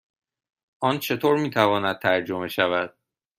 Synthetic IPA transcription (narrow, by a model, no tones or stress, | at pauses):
ʔɒːnt͡ʃʰe̞t̪ʰoːɾmiːt̪ʰævɒːnæd̪̚t̪ʰæɾd͡ʒo̞me̞ʃævæd̪̥̚